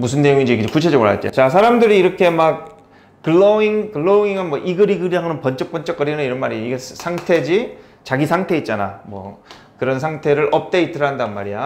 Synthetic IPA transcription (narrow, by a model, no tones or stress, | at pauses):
mus̬ʰɯnːe̞joŋid͡ʑekɯkut͡ɕʰe̞d͡ʑʌɡɯɭɦa̰t͈t͡ɕ͈o̰t͡ɕas̬ʰaɾamdɯɾiːɾʌkʰe̞mak̚ | kɯɭːoiŋkɯɭːoiŋɯnmwʌʔiɡɯɾiɡɯɾiɦanɯnpʌnt͡ɕ͈ʌk̚p͈ʌnt͡ɕ͈ʌk͈ʌɾinɯniɾʌnmaɾiiɡesʰaŋtʰe̞d͡ʑi | t͡ɕaɡisʰaŋtʰe̞it̚t͡ɕ͈ana̰mwʌ̰ | kɯɾʌnsʰaŋtʰe̞ɾɯɾʔʌp̚t͈e̞itʰɯɾɦandanmaɾija